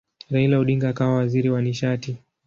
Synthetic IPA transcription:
ɾailauɗiŋɡaːkawawaziɾiwaniʃati

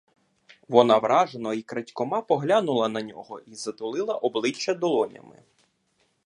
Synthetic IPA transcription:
ʋɔnɑʋɾʔɑʒenɔikɾɐtʲkɔmɑpɔɦlʲanʊlˠɐnɐnʲɔɦɔʔizɐt̪ʊlˠɪlˠɐʔɔblˠɪt͡ʃːɐd̪ɔlˠɔnʲɐ̰mɪ̰

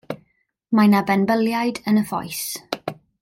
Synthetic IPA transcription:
majnabɛnbəlˠjajdənəfɔ̰js

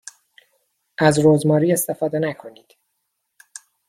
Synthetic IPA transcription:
ʔæzɾoːzmɒːɾiːe̞st̪ʰefɒːd̪enækʰo̞niːd̪̥

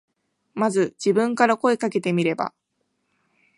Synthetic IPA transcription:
mazɨd͡ʑibɯ̟̃ŋkaɾako̞e̞kake̞t̪e̞mʲiɾe̞ba̰

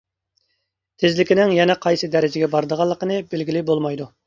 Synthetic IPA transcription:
t̪ʰɪzlɪkʲɪnɪŋjɛnɛqʰɑjsɨd̪ɛɾɪd͡ʒɪɡʲɛbɑɾd̪əʁɑlˠːəqənɨbelɡʲilɪbolˠmɑjd̪u

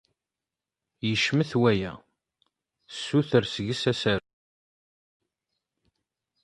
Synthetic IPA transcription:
jəʃməθwæjæ̰ | sːuθəɾsəʝəsæsæɾu

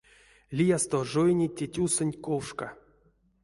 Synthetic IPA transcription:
lʲijast̪oʐojnʲitʲetʲusɨnʲkowʂka

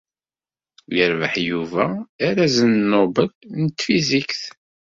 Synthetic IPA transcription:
jəɾvə̰ħjuvæːɾæzənnːobəlnət̪ːfizikθ

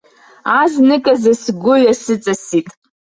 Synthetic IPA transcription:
aznɨkʼazasɡʷʊɥasɨt͡sʼasitʼ

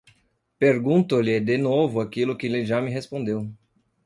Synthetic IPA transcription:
peɾɡũt̪ʊlɪd̪enovʊakilʊkɪlɪʒamɪɦespõd̪ew

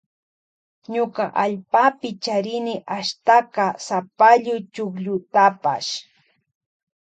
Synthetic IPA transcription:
ɲʊkaʔaʎpapɪt͡ʃaɾɪnɪʔaʃt̪akasapaʎʊjt͡ʃʊkʎʊt̪apa̰ʃ

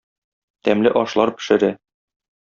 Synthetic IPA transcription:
t̪æmlɘʔɒʃlˠɑɾpɘ̥̆ʃɘ̆ɾæ

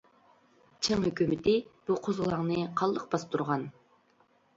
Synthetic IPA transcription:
t͡ʃʰɪŋhøkʲymɪt̪ɪb̥uqʰozʁlˠɑŋnɨqʰɑlˠːəq̚bɑst̪uɾʁɑn

